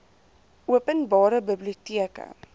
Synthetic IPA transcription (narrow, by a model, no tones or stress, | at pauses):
ʔuəpənbɑːɾəbəbliutiəkə̰